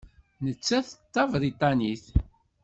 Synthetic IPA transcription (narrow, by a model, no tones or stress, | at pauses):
nət͡sːæθət̪ːɑvɾit̪ˤɑniθ